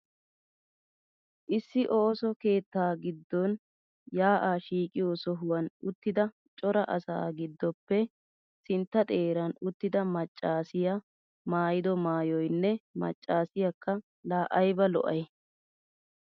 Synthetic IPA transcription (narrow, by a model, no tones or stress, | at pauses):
ʔɪsːɪʔoːsɔke̞ːt̪ːaːɡɪd̪ːɔn | jaːʔaːʃiːkʼɪjosɔɦʊwɐnʊt̪ːɪd̪ɐ | t͡ʃʼɔɾɐʔɐ̰sa̰ːɡɪd̪ːɔpːɛ | sɪnt̪ːɐt̪ʼe̞ːɾɐnʊt̪ːɪd̪ɐmɐt͡ʃʼːaːsɪja | maːjɪd̪ɔmaːjɔjnːɛmɐ̰t͡ʃʼːaːsɪjɐkʰːɐ | laːʔɐjbɐlɔ̰ʔɐj